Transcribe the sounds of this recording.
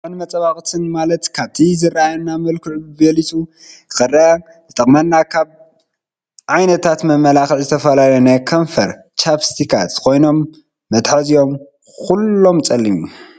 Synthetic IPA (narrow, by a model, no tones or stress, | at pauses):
ħɨnmɐt͡sʼɐβaxʼt̪ʰɨnmalɐt̪kʰaβt̪ʰizɨrːaajnːamɐlkʰɨʕbɐlit̪ʰu | zɨkɨrːaja | zɨt̪ʰʼɐχʼmanːakʰaβ | ʕajnɐt̪ʰat̪mɐmːɐlaxiʕzɨt̪ʰɐfɐlalɐnɐkʰɐɱfɐɾ | t͡ʃʰapst̪ikʰa̰t̪ːkʰo̞jno̞mː | ɐt̪ħazijo̞m | kulːo̞mt͡sʼɐlːimu